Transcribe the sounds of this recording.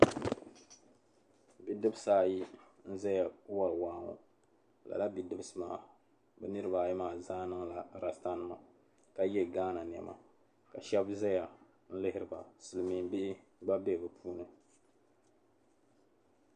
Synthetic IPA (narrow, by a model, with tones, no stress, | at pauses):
bi˨dɨ˦bɨ˦saː˦˨ji˦n̩˦za˦ja˨˦wa˨lwaː˦ŋo̰˨ | la̰˨la˦bi˨dɨ˦bɨ˦sɨ˨ma̰ː˨˦˨ | bɨ˦nɨ˦ɾɨ˦ba˨ji˦maː˨zaː˦nɨ˦ŋla˨ɾa˨sta˦nɨ˦ma˨ | ka˦jɛ˦˨ɡaː˦na˨n˨ɛ˨ma̰˨ | ka˨ʃɛ˦bzɛ˦ja˨ | n̩˦lɪ˦hɪ˦ɾɨ˨ba˨sɨ˨lɨ˨mi˨m˦bi˦ʔ | ba˦be˦˨bɨ˨pʰuː˦nɨ˨